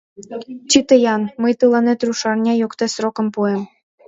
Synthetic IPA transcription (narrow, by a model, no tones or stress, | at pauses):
t͡ɕit̪ɤjɑnmɤjt̪ɯlˠɑnet̪ruʃɑrnʲɑjokt̪esrokɤ̆mpuem